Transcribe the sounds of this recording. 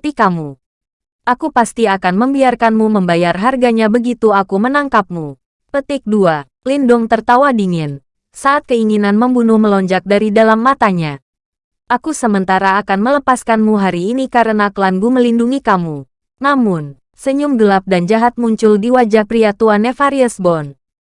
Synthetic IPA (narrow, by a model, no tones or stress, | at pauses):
t̪ikamu | ʔakupast̪iakanməmbiarkanmuməmbajarɦarɡaɲabəɡit̪uakumənaŋkap̚mu | pət̪ɪk̚dua | lindʊŋt̪ərt̪awadiŋɪn | saʔːt̪̚kəiŋinanməmbunʊhməlɔɲd͡ʒak̚daɾidalamːat̪aɲa | ʔakusəmənt̪aɾaːkanmələpaskanmuɦaɾiːnikaɾənakəlanbuməlinduŋikamu | namʊn | səɲumɡəlap̚dand͡ʒaɦat̪̚muɲt͡ʃʊldiwad͡ʒapɾiat̪uanefaɾiəsbɔn